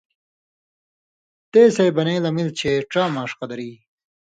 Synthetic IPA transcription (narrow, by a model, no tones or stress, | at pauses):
t̪eːsejbɐneːlɐmilt͡ɕʰeʈ͡ʂaːmaːʂqɐd̪ɐɾiː